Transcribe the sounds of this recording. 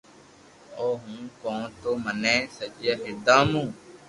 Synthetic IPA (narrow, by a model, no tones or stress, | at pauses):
oːɦũːkõːt̪oːmənẽːsəd͡ʒjaːɦɪd̪ãːmũː